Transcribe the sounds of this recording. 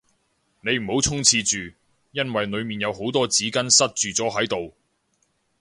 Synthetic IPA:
ne˨˧jm̩˨˩ho˨˥wt͡sʰʊ˥ŋt͡sʰiː˧t͡ʃyː˨˩ | jɐ˥nwɐ˨jnɵ˨˧ɥmiː˨njɐ˨˧who˨˥wt̪ɔː˥t͡siː˨˥kɐ˥nsɐ˥t̚t͡ʃyː˨t͡sɔː˨˥ɦɐ˨˥jt̪o˨w

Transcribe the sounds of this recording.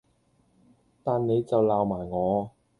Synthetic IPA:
t̪aː˨nne˨˧jt͡sɐ˨wlaː˨wmaː˨˩jŋɔː˨˧

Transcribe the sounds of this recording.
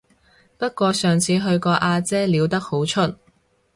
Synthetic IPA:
pɐ˥t̚kʷɔː˧sœː˨ŋt͡sʰiː˨˧ɦɵ˧ɥkɔː˧ʔaː˧t͡sɛː˥liː˨˧wt̪ɐ˥k̚ho˨˥wt͡ʃʰɵ˥t̚

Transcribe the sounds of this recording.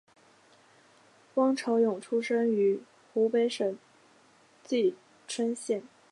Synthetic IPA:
kwɑ˥ŋʈ͡ʂʰo˧˥ʊjʊ˨˩ŋʈ͡ʂʰu˥ʂə˥ŋy˧˥ | xu˧˥pe˧˥ɪʂə˨˩n | t͡ɕi˥˩ | ʈ͡ʂʰwə˥nɕjɛ˥˩n

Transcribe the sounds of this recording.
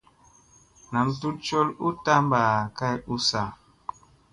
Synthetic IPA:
na˨mtu˦t̚t͡ʃo˦lu˦ta˦m˦baː˨ka˦ju˦sa˦

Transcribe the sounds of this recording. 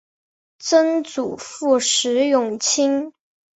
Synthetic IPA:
t͡sə˥nt͡su˨˩fu˥˩ʂɻ̩˧˥jʊ˥˩ŋt͡ɕʰi˥ŋ

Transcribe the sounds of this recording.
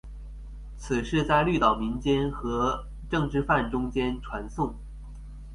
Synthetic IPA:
t͡sʰɹ̩˨˩ʂɻ̩˥˧t͡sa˥˧ɪly˥˩t̪ɑ˨˩ʊmi˧˥nt͡ɕjɛ˥nxɤ˧˥ | ʈ͡ʂɤ˥˧ŋʈ͡ʂɻ̩˥˧fa˥˩nʈ͡ʂʊ˥ŋt͡ɕjɛ˥nʈ͡ʂʰwa˧˥nsʊ˥˩ŋ

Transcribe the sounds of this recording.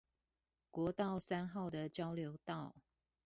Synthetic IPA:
kwɔ˧˥t̪ɑ˥˨ʊsa˥nxɑ˥˩ʊd̪ə˨t͡ɕjɑ˦˥ʊljo˧˦ʊt̪ɑ˥˨ʊ

